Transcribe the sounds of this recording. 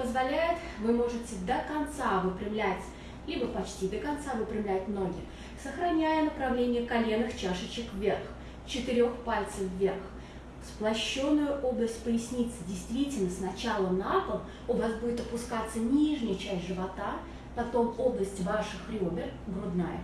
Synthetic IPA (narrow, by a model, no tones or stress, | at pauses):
pəzvɐlʲæjɪt̪ | vɨmo̞ʐɨtʲɪd̪əkɐnt̪savɨpɾʲɪmlʲætʲ | lʲibəpɐt͡ɕtʲid̪əkɐnt̪savɨpɾʲɪmlʲætʲmno̞ɡʲɪ̰ | səxɾɐnʲæjənəpɾɐvlʲenʲɪjəkɐlʲe̞nːɨxt͡ɕaʂɨt͡ɕɪkvʲe̞rx | t͡ɕɪt̪ɪɾʲo̞xpalʲt̪səfvʲe̞rx | splˠɐɕːo̞nːʊjʊʔoblˠəsʲt̚ʲpəjɪsʲnʲit̪sːədʲɪjst̪vʲitʲɪlʲnəsnɐt͡ɕalˠənapəm | ʊvasbudʲɪt̪əpʊskat̪sːənʲiʐnʲɪjət͡ɕæsʲtʲʐɨvɐt̪a | pɐt̪o̞mo̞blˠəsʲtʲvaʂɨxɾʲɪobʲɪrɡɾʊd̪na̰jə̰